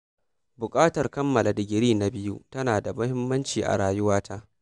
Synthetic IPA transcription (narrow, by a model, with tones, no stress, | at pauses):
bʊ˨kʼaː˦tɐ˨rkɐ˦mːɐ˨la˨dɪ˨ɡʲɪ˨ɾiː˦na˨bɪ˦jṵ˦tɐ˦naː˨da˨mʊ˦hɪ˦mːɐ˦nt͡ʃiː˨ʔa̰˨ɽaː˨jʊ˦waː˦tʰaː˦ʔ